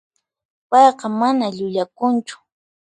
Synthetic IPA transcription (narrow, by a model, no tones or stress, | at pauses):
pɑjqɑmanaʎʊʎakʊnt͡ʃʊ̥